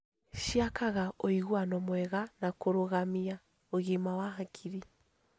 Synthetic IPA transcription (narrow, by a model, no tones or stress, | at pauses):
ʃiakaɣaʔɔiɣwanɔmwɛɣanakoɾoɣamia | oɣimawaɦakʰiɾi